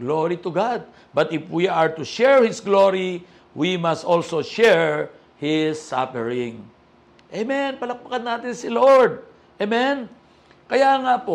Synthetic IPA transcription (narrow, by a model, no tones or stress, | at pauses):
ɡloɹit̪ʊɡad̪̚ | bɐt̪ɪfwiʔɐɹt̪ʊʃɛɹhɪsɡloɹi | wimɐst̪ʔolsoʃɛɹ | hɪsːa̰fɛɹɪ̃ŋ | ʔemɛnpɐlɐk̚pɐkɐnːaːt̪ɪnsɪloɹd̪̚ | ʔemɛn | kɐjaːŋapoʔ